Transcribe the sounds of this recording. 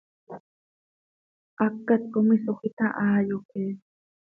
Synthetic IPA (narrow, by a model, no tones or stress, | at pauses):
akːat̪komisoχɪt̪aʔajokeː